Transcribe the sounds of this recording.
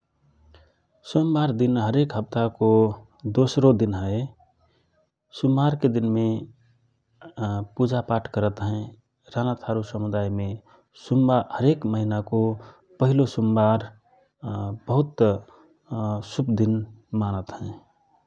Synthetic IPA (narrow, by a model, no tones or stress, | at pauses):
sumbaɾd̪inɦəɾekɦəp̚t̪ako | d̪osɾod̪inɦəe | sumbaɾked̪inme | pud͡ʒapaʈʰkəɾət̪ɦɛ̃ | ɾanat̪ʰaɾusəmud̪aimẽ | sumbahəɾekməɦinako | pəɦilosumbaɾ | b̥əɦʊt̪ | supd̪inmanət̪ɦɛ̃